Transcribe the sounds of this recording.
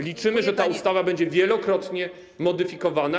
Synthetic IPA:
lʲit͡ʂɘmɘʐɛt̪aust̪avabɛɲd͡ʑɛvʲjɛlɔkɾɔt̪ɲɛ | mɔd̪ɘfʲikɔvana

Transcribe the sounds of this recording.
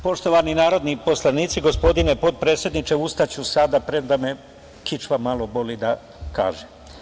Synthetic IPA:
po̞ʃt̪o̞ʋaninaːɾo̞d̪nipo̞slˠaniːt̪siɡo̞spo̞d̪ine̞po̞d̪̚pɾet̪sje̞d̪nit͡ʃe̞ust̪at͡ɕusad̪apɾemd̪ame | kit͡ʃʋamalo̞bo̞lid̪a | ka̰ːʒe

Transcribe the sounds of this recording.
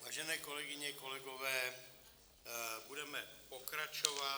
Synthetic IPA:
vaːʒɛnɛːkolɛɡɪɲɛko̞lɛɡovɛː | budɛmɛpokɾat͡ʃova

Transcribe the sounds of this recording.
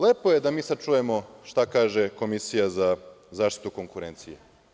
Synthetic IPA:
leːpojed̪amiːsat͡ʃuje̞mo̞ʃt̪akaːʒeko̞misijazazaːʃt̪i̥t̪ukoŋkuɾeːnt̪sijḛ

